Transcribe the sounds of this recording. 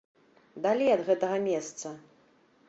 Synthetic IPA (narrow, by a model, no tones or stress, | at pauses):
d̪alʲejɐd̪ɣɛt̪ɐɣɐmʲɛst̪sɐ